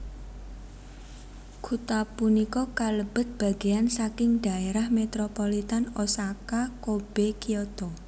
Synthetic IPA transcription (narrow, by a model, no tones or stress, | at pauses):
kʰut̪apunikɔkaləb̥ə̤t̪̚b̥a̤ɡ̥eansakɪŋɖ̥a̤eɾahmet̪ɾopɔlit̪anosakakob̥ekiɔt̪ɔ